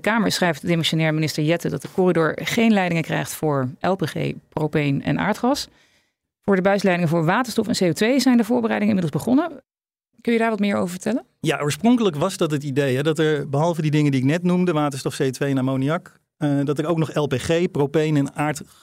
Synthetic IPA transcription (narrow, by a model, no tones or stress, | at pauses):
dəkaːməɹsχrɛjftdemɛnsonɛːɹminɪstəɹjɛtədɑt̚dəkʊridʊɹχejnlɛjdɪŋəkrɛ̰jχtfʊːɹʔɛlˠpeχḛjprowpejnɛ̰nʔa̰ːɹtχɑs | fʊːɹdəbœɥtlɛjdɪŋəvʊːɹʋaːtə̥stɔfɛnseotʋejzɛjndəvʊːɹbərɛjdɪŋəɪnmɪdl̩ˠzbəχɔnə | kɵnjədaːɹʋɑtmɪːɹo̰wvəɹvətɛlən | jaʔoːɹsprɔŋkələkʋɑzdɑtɦətidejɦɛdɑtɛɹbəɦɑlˠvədidɪŋəndiɪknɛtnumdəʋaːtənstɔfsejotʋejnaːmowniɑk | dɑtəɹowknɔχɛlˠpeχejprowpejnɛnaːɹt